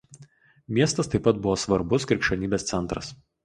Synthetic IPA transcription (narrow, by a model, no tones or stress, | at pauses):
mʲiɛst̪ɐst̪ɐɪpːɐt̪̚bʊʋoːsʋɐɾbʊskʲɾʲɪˑkʃʲonʲiːbʲeːst̪sʲɛnˑt̪ɾɐ̰s